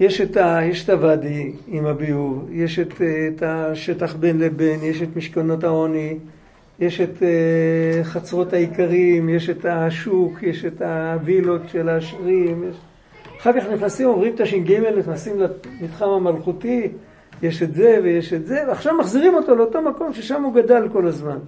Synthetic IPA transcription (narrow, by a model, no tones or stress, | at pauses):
je̞ʃetajeʃetavadi | imabiuvje̞ʃet̪taʃe̞taχbe̞nlebe̞njeʃetmiʃkano̞taoni | je̞ʃet̪e | χat͡sʁo̞taikaʁimje̞ʃetaʃukjeʃetavilo̞tʃelaːʃʁimjeʃ | aχaʁkaχniχnasimo̞mʁimt̪aʃimɡimelniχnasimlamitχamamalχuti | jeʃetze̞vejeʃetzevaχʃavmaχziʁimo̞to̞leo̞to̞mako̞mʃeʃamuɡadalko̞lazman